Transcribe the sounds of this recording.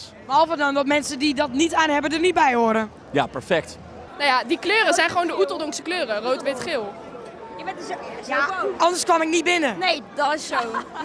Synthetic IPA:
mɔlˠfədɔndɔtmɛnsədidɔtnitaːnɦɛbədərnit̚bɛjhoəɾə | ja̰pɛɹfɛk̚t | najadikløːɾəzɛjnχəʋoːndəutəlˠdoŋsəkløːɾərowtʋɪtχɪːlˠ | jʋɛtɪsjaɔndərskʋɔmɪk̚nitbɪnənejdɔtɪssow

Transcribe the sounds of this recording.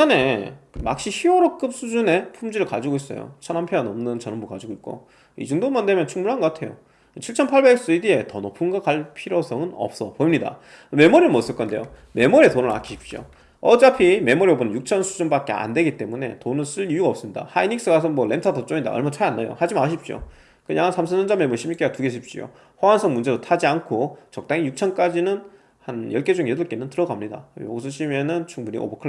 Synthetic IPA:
ane̞ma̰k̚ɕ͈içioɾok͈ɯp̚s͈ud͡ʑune̞pʰumd͡ʑiɾɯɭkad͡ʑiɡois͈ʌ̰jo̰t͡ɕʰʌnampʰjʌanʌmnɯnt͡ɕʌnʌmbokad͡ʑiɡoik͈̚o̰ | ḭd͡ʑuŋdomandwemjʌnt͡ɕʰuŋmuɭɦanɡʌk͈atʰe̞jo̰ | t͡ɕʰiɭt͡ɕʰʌnpʰaɭbe̞k̚s͈ɯidie̞tʌnopʰɯnɡakaɭpʰiɾosʰʌŋɯnʌ̰p̚s͈ʌpoimɲida̰ | me̞moɾiɯmʌis͈ʌɭk͈ʌnde̞jo̰ | me̞moɾietonɯɭa̰kʰiɕʰip̚ɕ͈o̰ | ʌd͡ʑapʰime̞moɾiobonɯnjuk̚t͡ɕʰʌnsʰud͡ʑunbak͈e̞a̰nde̞ɡit͈e̞mune̞̰tonɯɭs͈ɯɭijuɡaʌpsɯmɲida̰hainiks͈ɯɡas̬ʰʌnmwʌɭe̞ntʰatʰʌt͡ɕ͈oɲinda̰ʌ̰ɭmat͡ɕʰajanːajo̰had͡ʑimaɕ̬ʰip̚ɕ͈io̰ | kɯɲaŋansʰamsʰɯɲʌnd͡ʑʌme̞moɾiɕʰimɲikeɡatuɡeɕʰip̚ɕ͈ḭjo̰ | hʌwansʰʌŋmund͡ʑe̞dotʰad͡ʑiankʰot͡ɕʌk̚t͈aŋijuk̚t͡ɕʰʌnk͈ad͡ʑinɯn | hanjʌɭk͈e̞d͡ʑuŋeduɭk͈e̞nɯntɯɾʌɡamɲida̰jo̰ɡsʰʌɕʰime̞nɯnt͡ɕʰuŋbuɲḭʔo̰bokʰɯ

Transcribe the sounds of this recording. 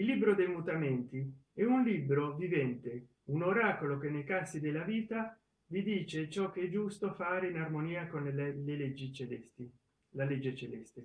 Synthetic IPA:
ilːibɾod̪ejmut̪ament̪iɛunliːbɾovivɛnt̪e | unoɾaːkolokenːejkasid̪elːaviːt̪a | vid̪iːt͡ʃet͡ʃɔk̟ːeɛd͡ʒust̪ofaːɾeinarmoniːakonleled͡ʒii | laled͡ʒːet͡ʃelɛst̪e

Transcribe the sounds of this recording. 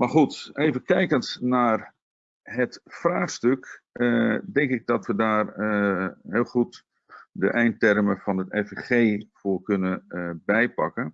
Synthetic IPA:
marχutejvəkɛjkənsnaːr | ɦətfraːχstøk | dɛŋkɪɡ̚dɔtʋədaːr | ɦɪːlˠxut | də̰ʔɛjntɛrməfɔnətɛfχeːvʊːrkɵnəbɛjpɑkən

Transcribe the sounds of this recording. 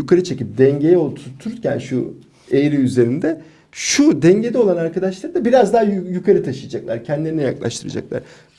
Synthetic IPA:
jukʰaɾɯt͡ʃʰe̞cip̚d̪ɛɲɟe̞jɛot̪ʰuɾt̪ʰːuɾɾcʰæ̰nʃṵ | ejɾiyze̞ɾind̪ɛ | ʃud̪ɛɲɟe̞d̪ɛo̞lˠanaɾkʰad̪aʃlˠaɾɯd̪abiɾazd̪aɦajukʰaɾɯt̪ʰaʃɯjad͡ʒaklˠaɾcʰɛnd̪ilʲeɾinɛja̰klˠa̰ʃt̪ʰɯɾɯ̰d͡ʒa̰klˠa̰ɾ

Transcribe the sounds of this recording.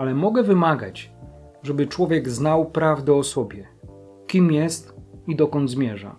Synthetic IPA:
alɛmɔɡɛvɘmaɡa̰t͡ɕ | ʐɛbɘt͡ʂwɔvʲjɛɡznawpɾavd̪ɛɔsɔbʲjɛ | kʲimjɛst̪id̪ɔkɔnd̪zmʲjɛʐa̰

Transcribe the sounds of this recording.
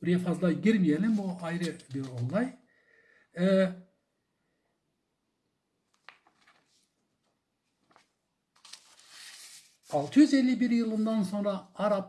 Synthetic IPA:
ɾefɑzd̪ɑjɡʲɪɾmʲijelɪnbuɑjɾəbeɾolˠd̪ɑj | ɑlˠd͡ʒʰʏzelːibɪɾjɯlˠənd̪ɑnsoɴɾɑɑɾɑp

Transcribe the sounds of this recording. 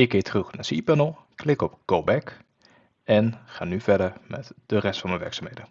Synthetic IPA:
ɪkːɪːtʰərɵxnasipənəl̩ˠklɪkɔpkobɛk | ɛnxaːnyvɛɹdəɹmɛtd̥ərɛstfɑnmənʋɛ̰ɹksaːmhejdə

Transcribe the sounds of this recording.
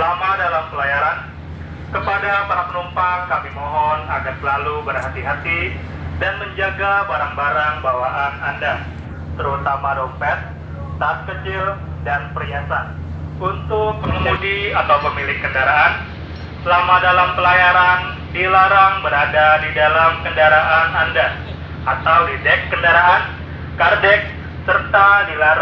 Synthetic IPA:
səlamadalampəlajaɾan | kəpadapaɾapənumpaŋkamimɔɦɔna̰ɡansəlalubərɦat̪iɦat̪i | danməɲd͡ʒaɡabaɾaŋbaɾaŋbawaʔananda | t̪əɾut̪amadɔmpɛt̪̚ː | aːt̪̚kət͡ʃɪl | danpəɾiasan | unt̪ʊk̚pəŋəmudiat̪awpəmilɪkːəndaɾaʔan | səlamadalampəlajaɾan | dilaɾaŋbəɾadadidalamkəndaɾaʔananda | ʔat̪awlidɛkːəndaɾaʔan | kardɛk̚ | sərt̪adilaɾ

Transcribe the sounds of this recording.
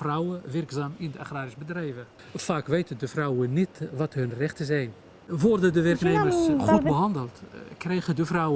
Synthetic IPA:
frawəʋɪrksaːmɪndəaχraːɾɪsbədrɛjvə | faːkʋejtədəfrɔwənːitʋɑtɦɵnrɛχtəzɛjn | ʋɔrdədəʋɛrkneːmərsχubəɦɑndəlˠtkrɛjχədəfrɑwə

